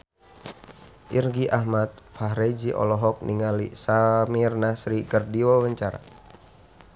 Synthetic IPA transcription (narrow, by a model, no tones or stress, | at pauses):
ʔirɡiʔahmat̪̚faɦɾed͡ʒiʔɔ̰lɔɦɔk̚nʔiŋalisamirnasɾikərdiɔwəɲt͡ʃaɾa̰